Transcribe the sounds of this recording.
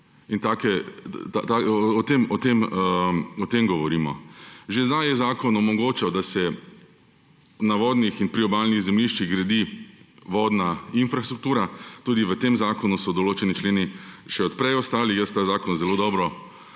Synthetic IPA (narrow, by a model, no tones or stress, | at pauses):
int̪aːkɛt̪a̰t̪aɔt̪emɔt̪em | ɔt̪emɡɔʋɔɾiːmɔ̰ʒezajjɛzaːkɔnɔmɔɡoːt͡ʃɛwd̪asɛ | naʋɔːd̪nixinpɾiɔbaːlniɣzɛmliʃt͡ʃiɣɡɾad̪iʋɔd̪nainfɾast̪ɾuk̚t̪uːɾat̪uːd̪iʋət̪emzaːkɔnusɔd̪ɔloːt͡ʃɛnit͡ʃleːniʃɛɔt̪̚pɾɛjɔst̪aːlixjəst̪azaːkɔnzɛloːd̪ɔːbɾɔ